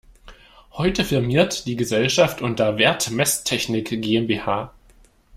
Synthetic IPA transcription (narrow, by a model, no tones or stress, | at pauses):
hɔʏtəfɪɐmiːɐtd̥iːɡəzɛlʃaftʔʊntɐvɛːɐtmɛstʰɛçnɪkɡ̥eːɛmbeːhaː